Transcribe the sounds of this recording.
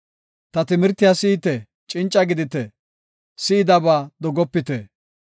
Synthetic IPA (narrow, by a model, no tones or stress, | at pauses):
t̪ɐt̪ɪmɪɾt̪ːɪjasiːt̪ɛ | t͡ʃʼɪnt͡ʃʼːɐɡɪd̪ɪt̪ɛ | sɪːd̪ɐbaːd̪ɔɡɔpːɪt̪ɛ